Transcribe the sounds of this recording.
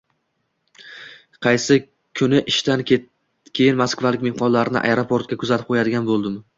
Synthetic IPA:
qʰɑjsɪ | kʲʰʊnɪʔɪʃt̪anʲ | kʲʰe̞jɪnmaskvalɪkʲmehqɒnlaɾɪnɪ̰ʔa̰jɾopʰo̞ɾt̪̚kʲakʰʊzat̪ʰɪp̚qʰojad̪ɪɡʲanbolˠd̪ɪm

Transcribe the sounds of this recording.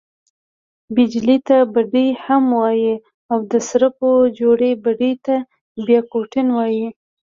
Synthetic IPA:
bɪd͡ʒlit̪abaɖijhamwɑji | awd̪əsɾəpod͡ʒoɽebaɖit̪a | bjɑkoʈɪnwɑji

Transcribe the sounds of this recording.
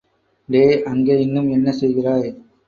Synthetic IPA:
leːʔɐŋɡeːɪnːɯmɛnːɐsɛjɣɪraːj

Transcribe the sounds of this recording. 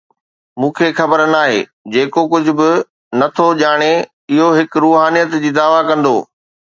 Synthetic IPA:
mũːkʰexɐbəɾnaːɦḛːd͡ʑeːkokʊd͡ʑʱʊ̆bɪ | nɐt̪ʰoʄaːɽ̃e | ɪɦoɦɪkɾuːɦaːnijət̪d͡ʑiːd̪aːʋakɐ̃nd̪o̰ː

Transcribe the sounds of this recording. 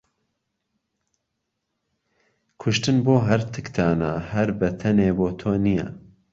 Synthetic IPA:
kʰʊʃt̪ɨnboːɦɐɾt̪ʰɨkt̪ʰaːnahɐɾbɐt̪ʰɐneːboːt̪ʰoːnijɐ̰

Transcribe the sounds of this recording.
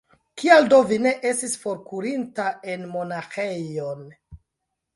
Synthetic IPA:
kialdo̞vine̞ʔe̞stisfo̞ɾkuɾintae̞nmo̞naxe̞jo̞n

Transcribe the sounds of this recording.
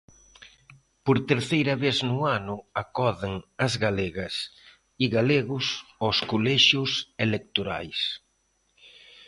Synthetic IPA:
poɾt̪eɾθejɾɐβeznʊanʊakɔðeŋɐzɣaleɣɐs | iɣaleɣʊsɔskolɛʃʊselek̚t̪oɾa̰js

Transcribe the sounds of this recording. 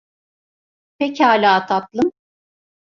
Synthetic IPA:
pʰecaːlʲaːt̪ʰat̪lˠɯm

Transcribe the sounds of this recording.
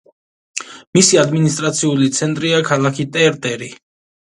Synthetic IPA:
misiad̪minist̪ʼɾat̪sʰiulit̪sʰɛnt̪ʼɾiakʰalakʰit̪ʼɛɾt̪ʼɛɾi

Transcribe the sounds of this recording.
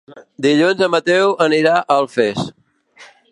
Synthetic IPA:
d̪iʎunzəmət̪ɛwəniɾaʔəlˠfes

